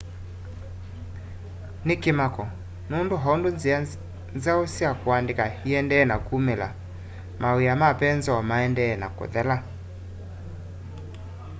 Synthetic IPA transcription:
nɪkemakɔ | nundoɦɔndonz | nzaosiakuandekahiɛndɛːnakumɛla̰ | mʔawiamapɛnzɔɔmaɛndɛːnako̰ðɛla

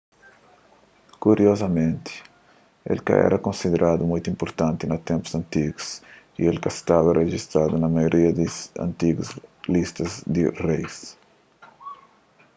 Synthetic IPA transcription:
kuɾiozɐmẽnt̪i̥ | ḛlka̰ɛ̰ɾɐkõnsid̪eɾʔad̪umũjt̪uĩmpoɾt̪ãnt̪inɐt̪ẽmpu̥sɐ̃nt̪iɡus | ḭelkɐst̪avɐreʒist̪ɾad̪unɐmajoɾʔiɐd̪isɐ̰̃nt̪iɡuzlist̪ɐzd̪irejs

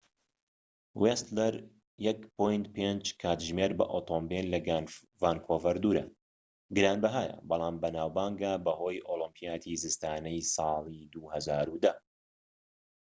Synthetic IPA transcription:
west̪lɛɾ | jɛkpojnt̪̚pend͡ʒkʰaːt̪ʒmeːɾbɐ̰ʔoːt̪ʰombellɐɡan | vaːnkʰovɐɾd̪uːɾɐ̰ | ɡɨɾaːnbɐɦaːjɐ̰bɑlˠaːmbɐnaːwbaːŋɡaːbɐhoːjʔolɨmpʰijaːt̪ʰizɨst̪aːnɐjsɑːlˠid̪uhɐzaːɾud̪ɐ

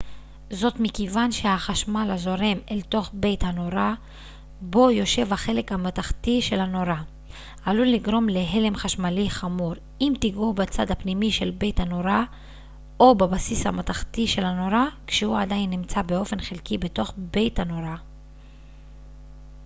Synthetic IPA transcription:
zo̞tmikevanʃehaχaʃmalazo̞ʁe̞melto̞χbe̞jthano̞ʁa | bo̞jo̞ʃe̞vhaχe̞le̞khamataχtiʃe̞lhano̞ʁa | ʔaluliɡʁo̞mle̞ɦele̞mχaʃmaliχamuʁ | imt̪iɡubat͡sadapnimiʃe̞lbe̞jthano̞ʁa | o̞babasisha̰mataχtiʃe̞lhano̞ʁakʃehuadainːimt͡sabeo̞fe̞nχelkibe̞to̞χbe̞jthano̞ʁa

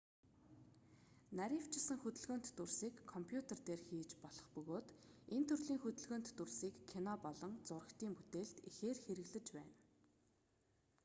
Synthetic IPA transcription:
naɾʲiwt͡ɕʰɪsə̆ŋxɵt̪ɵ̆ɮɣoːnt̪ːursiːkʰːɔmpʰjut̪ʰert̪eːrxiːt͡ɕpɔɮɞ̆χpɵɣoːt̪ent̪ʰɵrɮiːŋxɵt̪ɵ̆ɮɣoːnt̪ːursiːkʰːinɔpɔɮɞ̆ŋt͡sʊrə̆kt̪iːŋput̪eːɬt̪ixeːrxeɾɘ̆ɣɮɘ̆t͡ɕpæ̰ːn

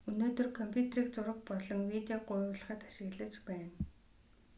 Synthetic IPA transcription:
unoːt̪ɵ̆rkʰɔmpʲʰjut̪riːkt͡sʊɾə̆χpɔɮɞ̆ŋwit̪eaɢʊjʊːɮə̆χə̆t̪ḁʃɪ̆ɣɮə̆t͡ɕpæːn

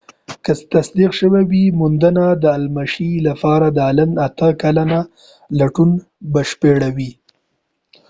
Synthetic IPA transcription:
kəst̪asd̪iqʃəwewimʊnd̪ənad̪əːlmaʃilapɑɾad̪əalənat̪əkalana | laʈun | bəʃpeɽawi

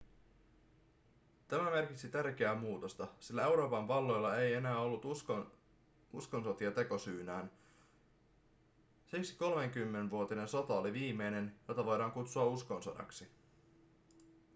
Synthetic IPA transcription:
t̪æmæme̞rk̟it̪sit̪ærk̟eæːmuːt̪o̞st̪ɑsilːæe̞wɾo̞ːpɑɱʋɑlːo̞jlːɑe̞je̞næːo̞lːut̪ | usko̞nso̞t̪iɑt̪e̞ko̞syːnæːn | siksi̥ko̞lme̞ŋk̟ymːennʋuot̪ine̞nso̞t̪ɑoliʋiːme̞jne̞njo̞t̪ːɑʋo̞jdɑːŋkut̪suɑusko̞nsodɑ̰ksi

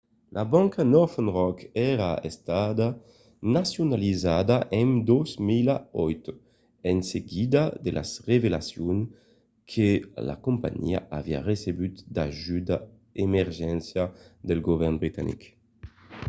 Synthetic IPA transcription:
lʔabɔŋkanɔɾfenʁɔkɛɾaest̪ad̪a | nasjunalizad̪aʔɛnd̪ɔzmilaɔjt̪ | enseɡid̪ad̪elʔa̰srevelasjun | kʰela̰kumpa̰ɲḭa̰avia̰resebyt̪d̪a̰ʒyd̪a | emeɾʒɛnsjad̪elɡovɛɾnbɾit̪a̰nḭk

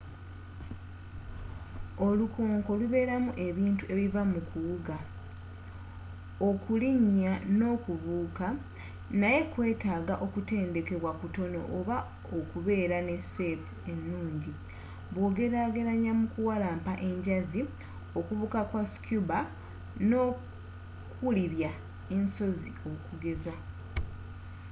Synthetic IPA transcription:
o̞lukʰoːŋko̞luβe̞ːɾamuʔe̞βiːntue̞βivamukʰuwuɡa | okuliɲːano̞ːkuβuːka | naje̞kwe̞ːtaːɡaʔo̞kute̞ːnde̞ke̞βwakuto̞no̞̰ʔːβa | okuβe̞ːɾane̞sepue̞nːuːɲɟi | βwo̞ːɡe̞ɾaɡe̞ɾaɲamukuwalaːmpaʔe̞ɲɟazi | o̞kuβuːkakwaskjuba | no̞ː | kʰuliβja | e̞nso̞zio̞kuɡe̞za

